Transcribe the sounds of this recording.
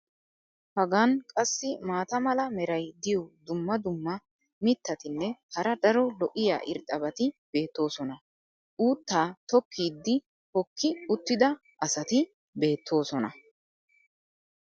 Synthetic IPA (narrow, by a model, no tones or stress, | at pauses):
hɐɡankʼɐsːɪmaːt̪ɐmɐlɐmɛɾɐjd̪ɪjɔd̪ʊmːɐd̪ʊmːɐ | mɪt̪ːɐt̪ɪnːɛhɐɾɐd̪ɐɾɔlɔʔɪja̰ːʔɪ̰ɾt̪ʼɐbɐt̪ɪb̥e̞ːt̪ːo̞ːsɔnɐ | ʔuːt̪ːaːt̪ɔkʰːiːd̪ːɪ | hɔkʰːɪʊt̪ːɪd̪ɐ | ʔɐsɐt̪ɪ | be̞ːt̪ʰːo̞ːsɔnɐ